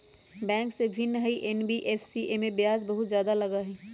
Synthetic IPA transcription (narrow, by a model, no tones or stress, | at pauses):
bɛ̃ːŋksebʱɪnːɦəiʔenbiʔeːfsiʔemẽbjaːzbɐɦʊt̪zjaːd̪alɐɡaɦɛː